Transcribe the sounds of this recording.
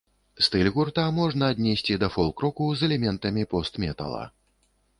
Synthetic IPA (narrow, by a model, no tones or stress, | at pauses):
st̪ɨlʲɣurt̪amɔʐnɐːd̪ʲnʲɛsʲt͡sʲid̪ɐfɔlˠkɾɔkuzɛlʲɛmʲɛnt̪ɐmʲipɔst̪mʲɛt̪ɐ̰lˠɐ̰